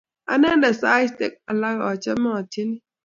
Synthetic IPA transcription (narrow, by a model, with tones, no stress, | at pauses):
a̰˦na˦da˨sa˦i˦stḛ˨k̚a˨la˦kɔ˨t͡ʃɛ˦ma˦ɔ˨tʰi˦ni˦